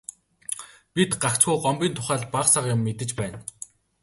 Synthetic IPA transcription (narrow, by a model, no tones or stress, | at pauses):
pʲit̪ɢakt͡sɡujɢɔmpʲiːnt̪ʰʊ̥χæːɮpaχsaqjʊmːet̪ɘ̆t͡ɕpæːn